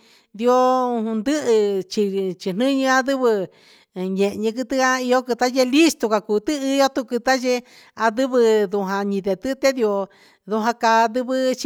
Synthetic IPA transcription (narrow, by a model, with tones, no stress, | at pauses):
d̪i˧o˧ũ˧nd̪ɨ˦ʔɨ˧t͡ʃi˧t͡ʃi˧n̥ɨ̃˦ɲɨ̃˧˦a˧ðɨ˦βɨ˧˨ | ɲẽ˨ʔɲĩ˧kɨ˧t̪ɨ˦a˦i˧o˦kɨ˧t̪a˦je˧li˦st̪o˧ka˧kuː˨˧t̪ɨ˦ɨ˧jo˦t̪u˧kɨ˧t̪a˦je˧ | a˧ðɨ˦βɨ˧ðu˧ɦã˧ɲĩ˧ðe˧t̪ɨ˦˧t̪e˦ði˧o˧ | ðu˧ɦã˧ka˧d̪ɨ˧βɨ˦t͡ʃ